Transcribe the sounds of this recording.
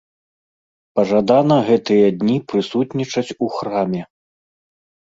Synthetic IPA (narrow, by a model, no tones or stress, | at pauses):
pɐʐad̪anɐɣɛt̪ɨjɐd̪ʲnʲipɾɨsut̪nʲit͡ʂɐt͡sʲuxɾamʲɛ